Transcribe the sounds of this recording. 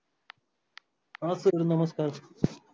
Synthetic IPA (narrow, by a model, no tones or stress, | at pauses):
aːsɨɾɨnɐmɐskaːɾ